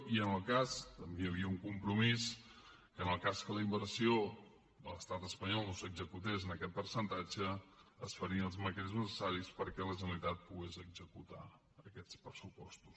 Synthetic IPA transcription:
iənəlˠkast̪əmbejəβ̞iəuŋkumpɾumis | kənəlˠkaskələimbəɾsio | d̪ələst̪at̪əspəɲɔlˠnosəɡzəkut̪̬ezənəkɛt̪̚pəɾsənt̪ad͡ʒəəsfəɾiəəlˠzməkɾeznəsəsaɾispəɾkɛləʒənəlit̪at̪̚puɣezəɡzəkut̪a̰ | əkɛt͡spɾəsupɔst̪u̥s

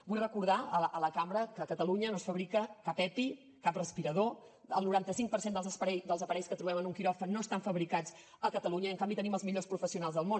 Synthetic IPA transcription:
bujrəkuɾðaəʔələkambɾəkəkət̪əluɲənosfəβɾikəkapɛpi | kaprəspiɾəðo | ə̰lˠnuɾant̪əsiŋk̚pəɾsend̪əlˠzəspəɾɛd̪əlˠzəpəɾɛjskət̪ɾuβɛmənuŋkiɾɔfənoəst̪aɱfəβɾikad͡z | əkət̪əluɲəiəŋkambit̪əniməlˠzmiʎospɾufəsiunalˠzðəlˠmon

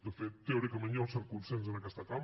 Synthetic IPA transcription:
d̪əfet̪ːewɾikəməɲɔlˠsəɾkunsenz̬ənəkɛst̪ək̪am

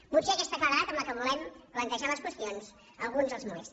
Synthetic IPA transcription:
museəkɛst̪əkəɾəðat̪əmləkəβulɛmɾəŋk̪əʃaləskwəst̪ionz | ə̰lˠɣunzðəlˠzmuḛs

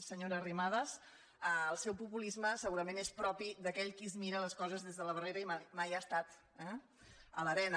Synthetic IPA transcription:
səɲoɾəːrimað̞əs | əəlˠsɛwpupulizməsəɣuɾəmenespɾɔpiðəkɛʎkizmiɾələskɔzəzðezðələβəreɾəimajmajast̪at̪ | ɛ | ələɾɛn

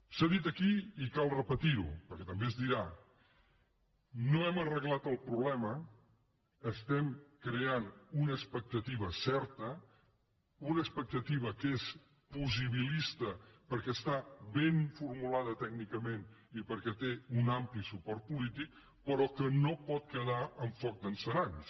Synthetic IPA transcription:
saðit̪əkiikalˠrəpət̪iɾṵpəɾkɛt̪əmbeəzðiɾa | noɛmərəɣlat̪əlˠpɾuβlɛməː | st̪ɛmkɾeanunəːspək̚t̪ət̪iβ̞əsɛɾt̪ə | unəspək̚t̪ət̪iβ̞əkes | puziβ̞ilist̪əpəɾkɛst̪aβenfuɾmulaðət̪ɛɡnikəmenipəɾkɛt̪eunamplisupɔɾt̪̚pulit̪ik̚ | pəɾɔkənopɔt̪̚kəð̞aəɱfɔk̚d̪ənsəɾans

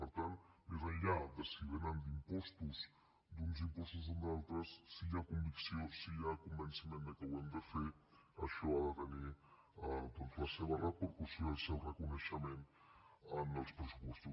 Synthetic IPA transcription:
pəɾt̪ant̪mezaʎad̪əsiβenand̪impɔst̪us | d̪unzimpɔst̪uzənd̪alˠt̪ɾəsːiakumbiksjossiʎakumbənsimẽnd̪əkawend̪əfeɐʃoaðət̪əni | at̪onsaseβarat̪̚pəɾkusjaɾsewrəkunəʃəmẽn | anəlˠspɾəsupɔst̪u

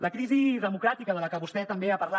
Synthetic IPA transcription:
ləkɾiziðəmukɾat̪ikəðələkəβust̪ɛt̪əmbeapəɾla

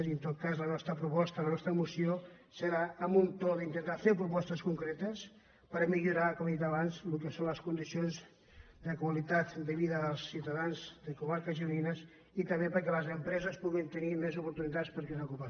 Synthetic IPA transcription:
ziənt̪ot̪̚kazlənɔst̪ɾəpɾupɔst̪ələnɔst̪ɾəmusio | səɾaəmunt̪oðint̪ənt̪afepɾupɔst̪əskuŋkɾet̪əs | pəɾmiʎuɾakɔmd̪it̪aβanzlukesonləskund̪isionz | d̪əkwalit̪at̪d̪əβiðəəlˠsːiwt̪aðanzd̪əkumaɾkəʒiuinəs | it̪əmbepəɾkɛləzəmpɾɛzəspuɣint̪ənimezupuɾt̪unit̪at̪spəɾkɛnakupa

